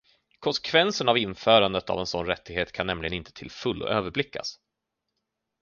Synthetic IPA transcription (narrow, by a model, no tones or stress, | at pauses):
kʰɔnsɛ̥kʰvɛnsənavɪnːfœːɾand̪ət̪a̰vɛnsɔnɾɛt̪ːɪɡheːt̪kʰanːɛmlɪɡənɪnt̪ʰə̥t̪ʰɪ̰lfɵlːɔ̰ʔøːvəɾblɪkːa̰s